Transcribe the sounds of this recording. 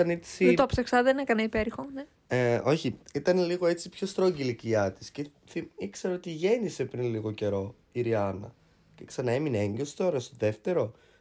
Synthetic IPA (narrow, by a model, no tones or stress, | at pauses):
ɐne̥sit̪oɐpsɐksɐðenekɐnɐipeɾixone | eo̞çiit̪ɐneliɣoe̞t͡sipço̞st̪ɾoɲɟiliciɐt̪i̥sce | θiikse̞ɾoot̪iʝe̞nise̞pɾinliɣo̞ce̞ɾo̞ | iɾiɐnɐ̰ | ce̞ksɐnɐe̞mineeɲɟest̪o̞ɾɐst̪oðe̞ft̪e̞ɾo̞